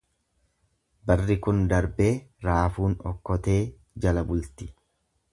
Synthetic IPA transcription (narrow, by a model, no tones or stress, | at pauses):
bɐrːɪkʊnd̪ɐɾbeːɾaːfuːnɔ̰kːɔt̪e̞ː | d͡ʒɐlɐbʊlt̪ɪ̥